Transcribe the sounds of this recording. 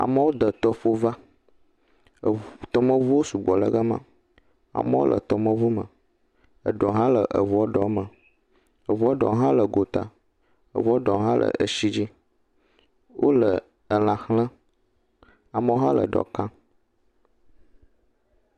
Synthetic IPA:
a̰˨mə˦wo˦d̪ə˨t̪ɔ˦fo˦va˦˨ | t̪ɔ˦mə̃˦vu˦wo˦su˨ɡ͡bɔ˨lə˦ɡə˦mã̰˦ | a̰˨mə˦o̰˦lʔə̰˨t̪ɔ˨mə̃˦vu˦mə̰˨ | ə˨ɖɔ˨ɦã˦lə˨ʔə˨vu˨ɔ˦ɖɔ˨˦mə˨ | ə˨vu˨˦ɔ˦ɖɔ̰˨˦ɦã˦lə˨ɡo˨t̪a̰˨ | ə̰˨vu˨˦ɖɔ˨˦ɦã˦lʔə̰˨ʔə˨ʃi˦d͡ʑi˦ | wʔo˦lə˨ | ə˨l̃ã˨xlə̃˦ | a˨mə˦wo˦ɦã˦lə̰˨ɖɔ̰˨kã˦

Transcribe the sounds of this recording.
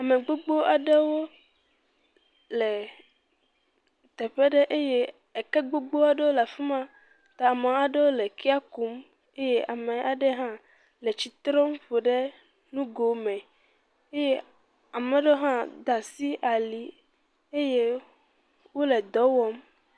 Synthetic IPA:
a˨mẽ˨ɡ͡bo˦ɡ͡bo˦a˨ɖe˦wo˦ | lɛ˨ | t̪ɛ˨ɸɛ˦ɖɛ˦ʔe˦je˦ | e˨kɛ˦ɡ͡bo˦ɡ͡bo˦a˨ɖe˦wo˦la˨fi˦mã˦ | t̪a˨mẽ˨˦a˨ɖe˦wo˦lɛ˨ki˦a˦ku˨˦m | e˦je˦ʔa˨mẽ˨ʔa˨ɖɛ˦ɦã˦ | lɛ˨t͡ɕi˨t̪ɾɔ̃˦mɸo˨ɖe˦ | nũ˦ɡo˨mɛ̃˨ | e˦je˦ | a˨mɛ̃˨ɖe˦o˦ɦã˦d̪a˨si˦ʔa˨li˨ | e˦je˦ | wo˦lɛ˨d̪ɔ˨˦wɔ˦m

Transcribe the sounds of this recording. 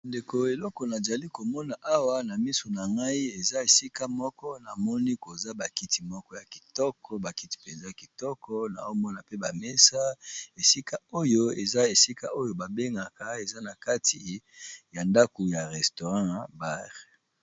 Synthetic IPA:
nde˨ko˨e˨lɔ˦kɔ˨na˨za˨li˦ko˨mɔ˦na˨ʔa˦wa˦na˨mi˦so˨na˨ŋɡa˦i˦e˨za˦e˨si˦ka˦mɔ˦kɔ˦na˨mɔ˦ni˦ko˨za˦ba˨ki˦ti˨mɔ˦kɔ˦ja˨ki̥˨tɔ˦kʰɔ˦ba˨ki˦ti̥˨pe˨nza˦˨ki˨tɔ˦kɔ˦na̰˨o˦mɔ˦na˨pe˦ba˨me˦sa˦e˨si˦ka˦o˦jo˦e˨za˦e˨si˦ka˦ʔo˦jo˨ba˨be˦ŋɡa˨ka˨e˨za˦na˨ka˦tʰi˨ | ja˨nda˦ko˨ja˨ʁɛ˨sto˨ʁɑ̃˦ba˦ʁ

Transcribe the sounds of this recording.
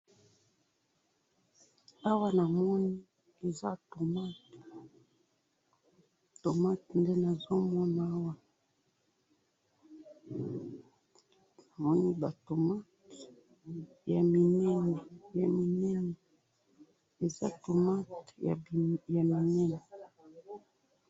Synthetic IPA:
a˦wa˦na˨mɔ˦ni˦ | e˨za˦to˨ma˦t | to˨ma˦tnde˦na˨zo˦mɔ˦na˨˦a˦wa˦ | na˨mɔ˦ni˦ba˨to˨ma˦t | ja˨mi˨nɛ˦nɛ˨ja˨mi˨nɛ˦nɛ˨ | e˨za̰˦to˨ma˦tja̰˨ja˨mi˨nɛ˦nɛ˨

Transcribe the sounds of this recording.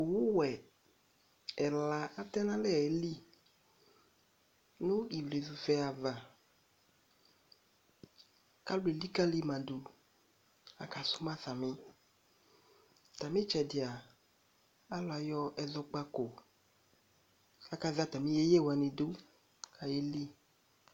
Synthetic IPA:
o˨wu˦wɛ˨ | ɛ˨la˨a˦t̪ɛ˦nã˦lɛ˦˨ɛ˨˦li˦ | nũ˦i˨vle˨zu˨fɛ˦a˨va˨ | ka˦lu˦i˨li˦ka˦li˦mã˨du˨ | a̰˨ka˨su˦mã˦sa˨mĩ˦ | t̪a˨mĩ˦t͡ʃɛ˨dɪ˨a˨ | a˦lɔ˨a˨jɔ˦ɛ˨zɔ˧k͡pa˦ko˨ | a˨ka˦za˦˨t̪a˨mĩ˦je˦je˦˨wa˨nĩ˨do˦ | ka˨je˦li˦

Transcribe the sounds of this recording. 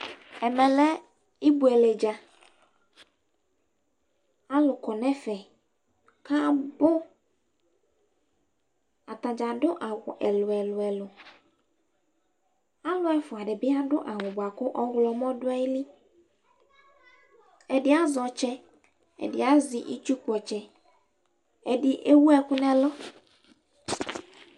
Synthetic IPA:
ɛ˨mɛ̃˨lɛ˦ | i˦bu˨ɛ˨le˨d͡ʒa˨ | a˦lʊ˨kɔ˨nɛ̃˦fɛ˨ | ka˦bʊ˦ | a˨t̪a˨d͡ʒa˨ɖʊ˦ʔa˨wʊ˨ʔɛ˨lʊ˨ɛ˨lʊ˨ɛ˨lʊ˨ | a˦lʊ˦ɛ˨fʊ˨a˨ɖɪ˨bɪ˦a˦ɖʊ˦ʔa˨ŋʊ̃˨bʊ˨a˨kʊ˦ʔɔ˦ɣlɔ˨mɔ̃˦dʊ˦ɛ˦jli˦ | ɛ˨dɪ˦a˦zɔ˨t͡ʃɛ˦ | ɛ̰˨dɪ̰˨˦a˦zɪ˨ʔi˦t͡ʃu˦k͡pɔ˨t͡ʃɛ˦ | ɛ˨dɪ˦ʔe˦wu˦ɛ˨kʊ˦nɛ̃˦lɔ˦

